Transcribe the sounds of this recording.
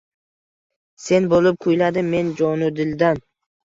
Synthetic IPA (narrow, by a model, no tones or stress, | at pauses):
se̞nbolˠɪp̚kʰʊjlad̪ɪmmːe̞nd͡ʒɒnʊd̪ɪld̪an